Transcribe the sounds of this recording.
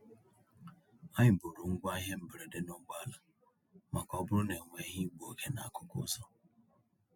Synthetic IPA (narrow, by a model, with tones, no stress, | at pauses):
a˦ɲɪ˨bo˨ɾu˨ŋ̩˦ɡʷa˦ɦe˦m̩˨bɾe˨de˦nʊ˦ɡ͡ba˦la˨ | ma˨kɔ˨˦bʊ˦ɾʊ˦ne˨ŋʷe˨˦ɦi˦ɡ͡bo˨ke˦na̰˨a˨kʊ˦kʊ̰˦sɔ˦